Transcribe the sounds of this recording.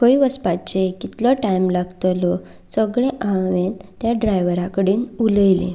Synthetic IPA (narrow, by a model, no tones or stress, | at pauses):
kəiʋəspat͡ɕekit̪lɔʈajmlaɡt̪lɔ | səɡɭeʔaʋent̪jaɖɾajʋəɾakəɽiːnuləjlḛ̃